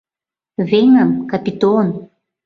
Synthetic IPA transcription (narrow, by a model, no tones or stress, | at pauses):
veŋamkapit̪onu̥